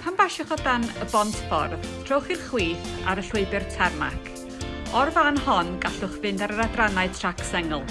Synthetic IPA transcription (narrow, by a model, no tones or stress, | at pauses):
pʰanbaʃɪχɔdanəbɔntʰfɔ̰rðtʰrowχirχwiːθaɾəɬwʊɨbɨrtʰɛrma̰kʰ | ɔrvanhɔnɡaɬʊχvɨndaɾəɾadranaɨtʰraksɛŋəlˠ